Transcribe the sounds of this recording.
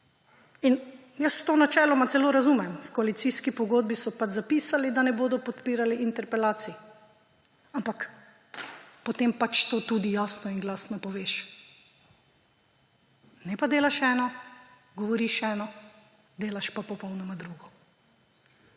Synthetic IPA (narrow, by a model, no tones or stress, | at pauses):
in | jəst̪oːnat͡ʃɛːlɔmat̪sɛloːɾazuːmɛmfkɔalit̪siskipɔɡoːd̪̚bisɔpad͡ʒzapiːsalid̪anɛboːd̪ɔpɔt̪piːɾaliʔint̪ɛɾpɛlaːt̪si | ampak | pɔt̪empat͡ʃt̪oːt̪uːd̪ijaːsnɔinɡlaːsnɔpɔʋeʃ | nɛpad̪eːlaʃɛːnɔ | ɡɔʋɔɾiʃɛːnɔ | d̪eːlaʃpapɔpɔwnɔmad̪ɾuːɡɔ